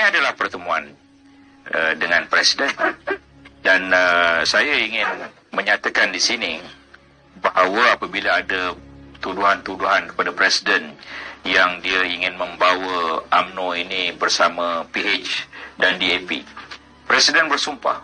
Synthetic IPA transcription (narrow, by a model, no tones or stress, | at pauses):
iniadalahpərt̪əmuan | ədəŋãnpɾɛsidɛn | danəsajaiŋɪn | mə̃ɲat̪akandisini | baɦwəapabilaːdat̪uduɦant̪uduɦankə̥padapɾɛsidənjaŋdiaiŋɪnmə̃mbawəʔamnoinibərsamapiet͡ʃdandiepḭ | pɾɛsidɛnbərsumpa̰h